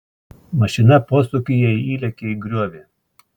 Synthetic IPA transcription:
mɐʃʲɪnɐpoːsʊkʲɪjɛiiːlʲɛkʲeiɡɾʲuɔʋʲeː

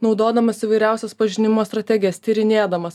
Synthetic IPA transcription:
nɒʊd̪oːd̪ɐmɐsiʋɐɪɾʲæˑʊsʲɛspɐʒʲɪnʲɪmoːst̪ɾɐt̪ʲɛɡʲɪjɛst̪ʲiɾʲɪnʲeːd̪ɐmɐs

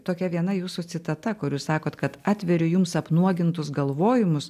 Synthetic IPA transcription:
t̪oːkʲɛʋʲiɛnɐjuːsut͡ssʲɪt̪ɐt̪ɐkʊɾʲuːssɑːkoːt̪kɐt̪ɑːt̪ʲʋʲɛɾʲʊjʊmsɐpnuɔɡʲɪnt̪ʊsɡɐlˠʋoːjɪmʊs

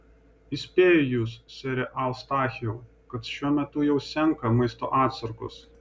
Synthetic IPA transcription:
ɪsʲpʲeːjojuːssʲɛɾʲɛʔɐlˠst̪ɑːxʲɛʊ | kɐt̪ʃʲuɔmʲɛt̪ʊjɛʊsʲɛŋˑkɐmɐɪst̪o̰ːʔɑːt̪sɐɾkʊ̰s

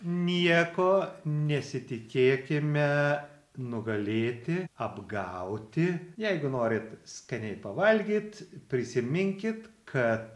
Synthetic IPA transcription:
nʲiɛkoːnʲɛsʲɪt̪ʲɪkʲeːkʲɪmʲɛ | nʊɡɐlʲeːt̪ʲɪɐbɡɐʊt̪ʲɪjɛɪɡʊnoːɾʲɪt̪skɐnʲɛɪpɐʋɐlʲɡʲiːt̪pʲɾʲɪsʲɪmʲɪŋʲkʲɪt̪kʰɐt̪

